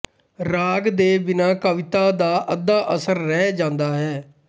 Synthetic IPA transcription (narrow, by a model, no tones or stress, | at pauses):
ɾaːɡd̪eːbɪnãːkəʋɪt̪aːd̪aːʔəd̪aːʔəsəɾːɛːd͡ʒãːnd̪aːɦɛː